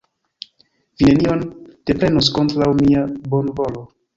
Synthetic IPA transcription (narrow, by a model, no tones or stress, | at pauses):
vine̞nio̞nd̥e̞pɾe̞nos̬ko̞ntɾawmiabo̞nvo̞lo̞